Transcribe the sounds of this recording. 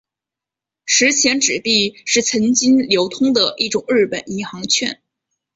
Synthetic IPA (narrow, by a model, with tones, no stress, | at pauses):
ʂɻ̩˧˥t͡ɕʰjɛ˧˥nʈ͡ʂɻ̩˨˩p̪i˥˧ʂɻ̩˥˩t͡sʰə˧˥nt͡ɕi˥ŋljo˧˥ʊt̪ʰʊ˥ŋd̪ə˨ʔi˥˩ʈ͡ʂʊ˨˩ŋɻɻ̩˥˩pə˨˩ni˧˥nxɑ˧˥ŋt͡ɕʰɥɛ˥˩n